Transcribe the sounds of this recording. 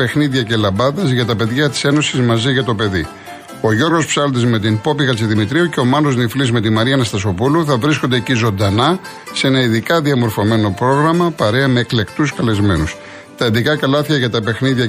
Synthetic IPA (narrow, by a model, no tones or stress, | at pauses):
pe̞xniðʝɐce̞lɐbɐðɐzʝɐt̪ɐpe̞ðʝɐt̪i̥se̞no̞sizmɐziʝɐt̪o̞pe̞ði | o̞ʝo̞ɾɣo̞spsɐlond̪ezme̞t̪inpo̞piɣɐt͡siðimit̪ɾiuce̞o̞mɐno̞zniflizme̞t̪imɐɾiɐnɐst̪ɐs̬o̞puluθɐvɾisko̞nd̪ecizo̞nd̪ɐnɐ | see̞nɐiðikɐðiɐmo̞ɾfo̞me̞no̞pɾo̞ɣɾɐmɐpɐɾeɐme̞ːkle̞kt̪uskɐle̞zme̞nus | t̪ɐiðikɐkɐlɐθçɐʝɐt̪ɐpe̞xniðʝɐ